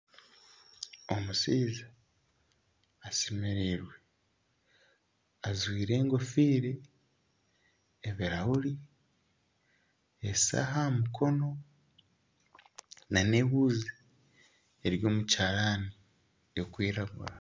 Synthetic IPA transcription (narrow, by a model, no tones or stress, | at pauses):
o̞musiːza | semeɾiɾwe̞ | azwiːɾe̞ːŋɡo̞fiːɾe | βiɾawuɾi | esa̰ɦamukʰo̞no̞ | nane̞ːβuːzi | eɾjo̞ːmucaːɾaːni | okwiːɾaɡṵɾa